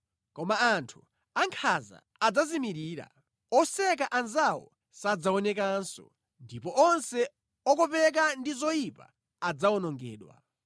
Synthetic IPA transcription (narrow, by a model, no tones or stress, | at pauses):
kɔmaantʰu | aŋkʰaza̰ | ad͡zazimiɾiːɾa̰ | ɔsɛk̬aʔanzawɔ̰ | sad͡zaɔnɛk̬ansɔ̰ | ndipɔʔɔnsɛ | ɔkɔpɛk̬andizɔjipa̰ | ad͡zaɔnɔŋɡɛ̰ːɗwa̰